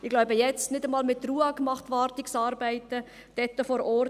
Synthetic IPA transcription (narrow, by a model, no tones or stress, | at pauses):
ɪɡ̥laʊbəjɛt͡stnɪdəmɑːlmɪt̪ːruːɑːkmɑχt̪ʋɑːɾtɪksɑːɾbæɪtə | d̥ɛtːəfɔɾɔr